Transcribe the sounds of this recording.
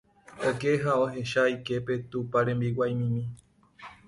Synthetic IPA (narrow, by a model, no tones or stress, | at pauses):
oke̞ɦaoɦe̞ʃaike̞pe̞t̪upaɾẽ̞mbiwajmĩmĩ